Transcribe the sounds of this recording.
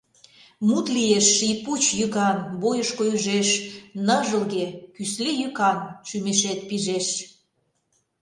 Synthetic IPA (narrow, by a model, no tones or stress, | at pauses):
mut̪lijeʃːijput͡ɕjykɑnbojəʃkojəʒeʃnəʒəlɣekyslejykɑnʃymeʃet̪̚piʒeʃ